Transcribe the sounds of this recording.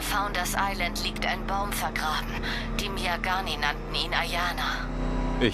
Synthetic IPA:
faʊndɐsʔaɪləntʰliːkta̰ɪnbaʊmfɛɐɡʁaːbm̩ | d̥iːmjaɡaːninantn̩iːnajaːna | ɪ

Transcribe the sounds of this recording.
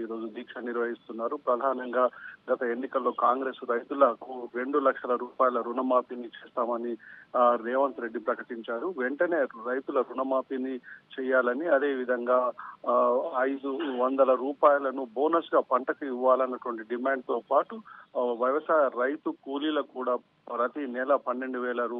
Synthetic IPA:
iːɾo̞ːd͡ʒud̪iːkʂɐniɾʋɐɦist̪unːaːɾupɾɐd̪ʱaːnɐŋɡaːɡɐt̪ɐe̞nːikɐlːo̞ːkaːŋɡɾe̞ːsɾɐjt̪ulɐkuɾe̞ɳɖulɐkʂɐlɐɾuːpaːjɐlɐɾunɐmaːpinit͡ʃeːst̪aːmɐniɾɛːʋɐnt̪ɾe̞ɖːipɾɐkɐʈiɲt͡ʃaːɾuʋe̞ɳʈɐne̞ːɾɐjt̪ulɐɾunɐmaːpinit͡ʃɛːjːaːlɐniɐd̪e̞ːʋid̪ʱɐŋɡaː | ɐjd̪uʋɐnd̪ɐlɐɾuːpaːjɐlɐnubo̞ːnɐsɡaːpɐɳʈɐkɐiʋːaːlɐnːɐʈuʋɐɳʈiɖimaːɳɖ̚t̪o̞ːpaːʈuʋɐjʋɐsaːjɐɾɐjt̪ukuːlilɐkuːɽaː | ɾɐt̪inɛːlɐpɐnːe̞ɳɖuʋɛːlɐɾuː

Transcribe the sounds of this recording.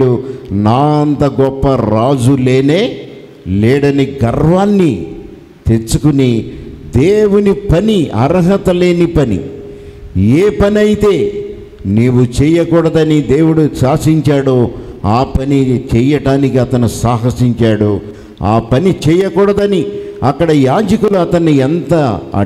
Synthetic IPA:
unaːɐnt̪ɐɡɔpːɐɾaːd͡ʒule̞ːneː | lɛːɽɐniɡɐɾʋaːnːi | t̪eɾt͡ʃukunid̪eːwunipɐniɐ̰ɾɐɦɐt̪ɐle̞ːnipɐnḭ | eːpɐniɐjit̪e̞ː | neːwut͡ʃɛːjɐkuːɽɐd̪ɐnid̪eːwuɽut͡ʃaːsiɲt͡ʃaːɽoːaːpɐnit͡ʃɛːjɐʈaːnikiɐt̪ɐnusaːɦɐsiɲt͡ʃaːɽoː | a̰ːpɐnit͡ʃɛːjɐkuːɽɐd̪ɐniɐkːɐɽɐjaːd͡ʒɐkuluɐt̪ɐnːiɛnt̪ɐɐ̰

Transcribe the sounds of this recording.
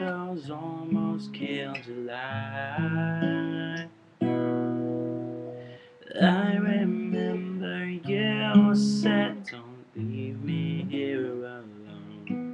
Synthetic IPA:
zɔlˠmoʊskʰɪltəla | aɪɹɪmɛ̃mbə˞jəsɛtõnbimiɪɹɹãnəlõʊ̃n

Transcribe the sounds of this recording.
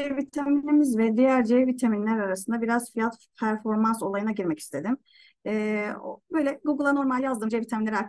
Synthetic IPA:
evit̪ʰaminʲemizvɛd̪ijæɾd͡ʒevvit̪ʰeminlʲæɾaɾasɯnd̪abiɾaz̥fijat̪pʰæɾfo̞ɾmanso̞lˠajɯnaɟiɾmɛci̥st̪ʰe̞d̪im | ɛːo̰bø̞jlʲɛɡuɡɯlˠano̞ɾmalʲjazd̪ɯmd͡ʒevit̪ʰaminlʲeɾiak̪

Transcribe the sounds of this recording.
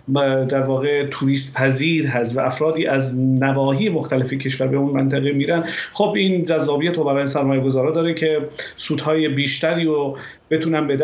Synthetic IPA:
d̪æɾvɒːɣet̪ʰuɾiːst̪pʰæziːɾɦæst̪væʔæfɾɒːd̪iːʔæznævɒːɦiːjemoxt̪ʰælefecʰe̞ʃvæɾbe̞unmænt̪ʰæɣemiːɾænxobiːnd͡ʒæzːɒːbijæt̪obæɾɒːjesæɾmɒːjeɡo̞zɒːɾɒːd̪ɒːɾecʰe̞suːd̪hɒːjebiːʃt̪æɾiːɾo | b̥e̞t̪ʰuːnænbed̪æ

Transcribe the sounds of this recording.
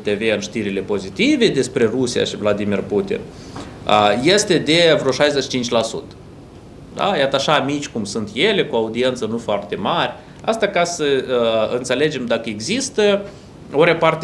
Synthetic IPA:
t̪e̞veɨnʃt̪iɾile̞po̞zit̪ive̞d̪e̞spɾe̞rusija̰ʃivlad̪imirput̪ḭn | əje̞st̪e̞d̪e̞vɾoʃajzeʃi̥t͡ʃint͡ʃʲlasṵt̪ə̥ | d̪a̰jat̪əaʃamit͡ʃʲkumsunt̪je̞le̞kuaud̪ie̞nt̪sənufoart̪e̞marʲ | a̰st̪akasəɨnt̪sele̞d͡ʒe̞md̪akəeɡzist̪ə | o̞ɾe̞part̪e

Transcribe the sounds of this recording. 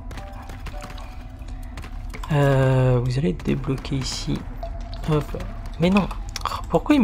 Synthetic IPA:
əvuzaled̪ḛblɔkʲʰeisḭ | ə̃plmɛnɔ̃puʁkwai

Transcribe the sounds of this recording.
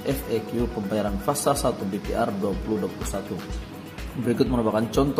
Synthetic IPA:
ʔɛfɛkjupəmbajaɾanfasasat̪ubepiʔarduapuluhduapulusat̪u | bəɾikʊt̪̚mənɔbakant͡ʃɔnt̪

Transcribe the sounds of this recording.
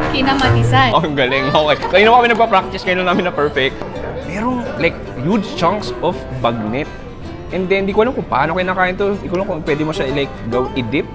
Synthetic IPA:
kɪnamɐt̪ɪsaʔoɡɐlɪŋoːkejkɐniːnɐmakɐmɛnɐɡ̚papɾak̚t̪ɪskɐinlaŋnaːmɪnːɐpɛɹfɛk̚t̪pɛːɾolajk̚ | jud͡ʒt͡ʃɐ̃ŋksʔofbɐɡ̚nɛt̪̚ | ʔɛnd̪ɛnd̪ikoʔɐlamkʊŋpa̰ːnokejnɐkaːʔɪnt̪oɪkalaŋkʊŋpwɛːd̪ɪmoʃalajk̚ɡɐwʔɪd̪ɪp̚

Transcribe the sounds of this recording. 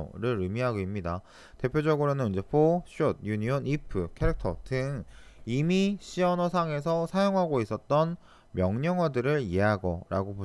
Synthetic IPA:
ɾɯɾɯmiɦaɡoimɲida | te̞pʰjod͡ʑʌɡɯɾonɯnid͡ʑe̞pʰoɕ͈ʰud̚juɲiʌnipʰɯkʰeɾɯk̚tʰʌdɯŋimiɕʰiʌnʌsʰaŋe̞s̬ʰʌsʰajoŋɦaɡois͈ʌt̚t͈ʌn | mjʌŋɲʌŋwʌdɯɾɯɭieɦaɡʌɾa̰ɡobo

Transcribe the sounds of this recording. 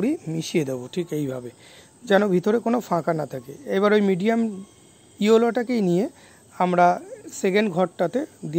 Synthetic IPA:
ɽimiʃijed̪eboʈʰikejbʱabe | d͡ʑɛnobʱit̪oɾekonofãkanat̪ʰakeejβaɾojmiɖiam | ioloʈakejnije | amɾaseɡenɡʱɔʈːat̪ed̪i

